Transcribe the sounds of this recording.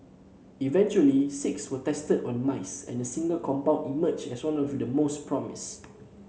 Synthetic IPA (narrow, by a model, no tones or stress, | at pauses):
ivɛ̃nt͡ʃuəlisɪkswətɛstədɔ̃nmaɪsɛ̰̃nəsĩŋɡəlkʰɔ̃mpãʊ̃nimət͡ʃɛswãnɔfudəmospʰɹɔmḭs